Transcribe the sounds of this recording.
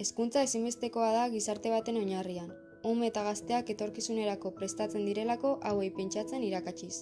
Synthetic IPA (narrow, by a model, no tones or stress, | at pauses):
e̞skunt͡sae̞simbe̞st̪e̞ko̞að̞aɣisaɾt̪e̞β̞at̪e̞no̞ɲarian | umet̪aɣ̞ast̪e̞ake̞t̪o̞ɾkisune̞ɾako̞pɾe̞st̪at͡se̞nd̪iɾe̞lako̞ʔawe̞jpe̞nt͡ʃat͡se̞niɾakat͡ʃis